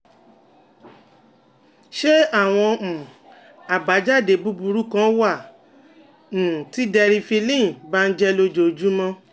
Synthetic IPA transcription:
ʃe˦a˦˨w̃ɔ̃˧mũ˨ | a˨ba˨˦d͡ʒa˦˨de˨bu˦bu˧ɾu˦kã˦wa˦˨ | ũ˨ti˦dɛ˧ɾi˧fi˧lĩ˦˨ba˦n̩˦d͡ʒɛ˧lo˧d͡ʒo˨d͡ʒu˦mɔ̃˦˧

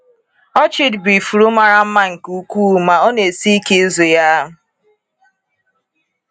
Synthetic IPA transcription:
ɔ˦t͡ʃɪ˦dbi˨fu˨ɾu˦ma˨ɾa˦m̩˦ma˦ŋ̩˨ku˦kʷuː˦˨ma˨ɔ˦ne˨si˦ke˦zo˨ja˦ɦʊ˨

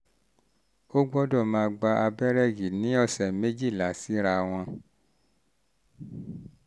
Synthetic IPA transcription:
o˦ɡ͡bɔ˦dɔ˦˨mãː˧ɡ͡ba˧a˧bɛ˦ɾɛ˦˨ɡi˨nĩ˨˦ɔ˧˨sɛ˨me˦d͡ʒi˦˨la˨˦si˦ɾa˧w̃ɔ̃˧

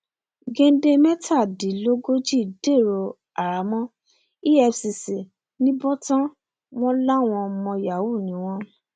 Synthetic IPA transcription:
ɡẽ˧˦de˧mɛ˦tʰa˦˨di˨˦lo˦ɡo˦d͡ʒi˦˨de˦˨ɾo˧ | a˨ɾa˨˦mɔ̃˦ | i˦ɛ˧fsi˧si˨ | nĩ˦bɔ˦tã˦ | w̃ɔ̃˦la˦˨w̃ɔ̃˧mɔ̃˧ja˨wu˦˨nĩ˨˦w̃ɔ̃˦

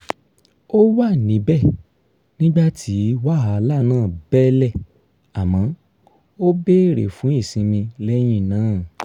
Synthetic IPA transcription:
o˦wa˦˨nĩ˨˦bɛ˦˨ | nĩ˦ɡ͡ba˦tʰi˨˦wa˦ɦa˨˧la˦˨nãː˦˨bɛ˦lɛ˦˨ | a˨mã˨˦ | o˦be˦ɾḛ˨fũ˨˦i˦˨sĩ˧mĩ˧lɛ˦j̃ĩ˦˨nãː˨˦˨

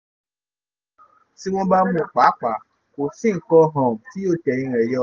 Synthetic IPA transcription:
si˦wɔ̃˦ba˦mũ˨k͡pa˨˦k͡pa˨ | ko˨sĩ˦ŋ˨kɔ˦ɦɔ̃˨mti˦jo˦tɛ˨ɲĩ˦ɛ˨jɔ˦

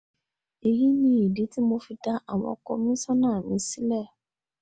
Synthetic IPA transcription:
e˨ji˦nĩ˦i˨di˨˦ti˦mõ˨fi˨da˦ʔa˨wɔ̰̃˨kɔ̰˦mĩ˦sɔ˦nãː˦˨mĩ˨˦si˦lɛ˦˨

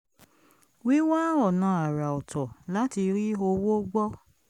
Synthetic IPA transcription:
wi˦wa˦ɔ˦˨nã˨˧˦a˨ɾa˨ɔ˨tʰɔ˨la˨˦ti˧ɾi˦o˧wo˦ɡ͡bɔ˦

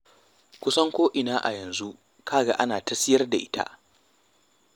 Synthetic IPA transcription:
kʷʊ˦sɐ˦ŋkʷoː˦ʔɪ˨naː˦ʔa̰˨jɐ˨nzu˦ʔ | kʰaː˦ɡa˦ʔa˦naː˨tɐ˦sɪ˦jɐ˦rda˨ʔɪ˦tʰa̰˦ʔ

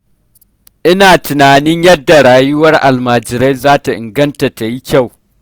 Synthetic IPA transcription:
ʔɪ˦naː˨tʊ˨naː˨nɪ˦ɲjɐ˦dːa˨ɽaː˨jʊ˦wɐ˦rʔa̰˨lmaː˨d͡ʒɪ˨ɾa˦jzaː˦ta˨ʔɪ̰˨ŋɡɐ˦nta˨ta˨ji˦kʲa˦˨w

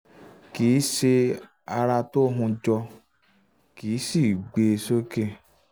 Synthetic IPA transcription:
ki˨˦se˧ | a˧ɾa˧to˦ɦũ˧d͡ʒɔ˧ | ki˨˦si˦˨ɡ͡be˧so˦ke˦

